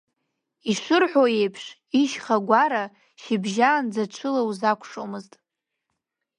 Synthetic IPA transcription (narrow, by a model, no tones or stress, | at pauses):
iʂʷɨrħʷojejpʰʂ | iʃχaɡʷaɾa | ʃibʒaːnd͡zat͡ʃʷʰɨlawuzakʷʰʂomɨztʼ